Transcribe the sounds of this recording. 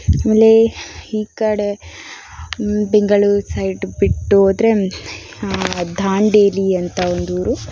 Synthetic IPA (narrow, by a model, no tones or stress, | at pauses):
aːmeːlːehiːkaɽe | biŋɡɐɭusɐjʈbiʈːoːd̪ɾe | d̪ʱaːɳɖeːliɐnt̪ʰɐond̪uʋɾu